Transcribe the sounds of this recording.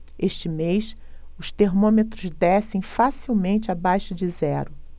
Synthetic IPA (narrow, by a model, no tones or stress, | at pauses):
eʃt͡ʃɪmejsʊʃt̪eɾmõmet̪ɾʊzd̪ɛsẽj̃fasiwmẽnt͡ʃɪabajʃʊd͡ʒɪzɛɾʊ